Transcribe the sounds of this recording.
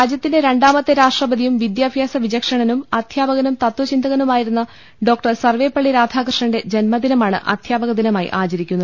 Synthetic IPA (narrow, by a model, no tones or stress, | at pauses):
ɾaːd͡ʑjɐt̪ːinde̞ɾe̞ɳɖaːmɐt̪ːeɾaːʂʈrɐbɐd̪ijumʋid̪jaːbʱjaːsɐʋid͡ʑɐkʂɐɳɐnumɐd̪̥ʱjaːbɐɣɐnumt̪ɐt̪wɐt͡ɕind̪ɐɣɐnumaːjiɾunːɐ | ɖo̞ːk̚ʈɐrsɐrʋe̞ːpːɐɭːiɾaːd̪ʱaːkrɨʂɳɐɳɖe̞d͡ʑenmɐd̪inɐmaːɳɨ̰ʔɐ̰d̪̥ʱjaːbɐɣɐd̪inɐmaːjḭʔaːt͡ɕɐɾikʲːunːɐð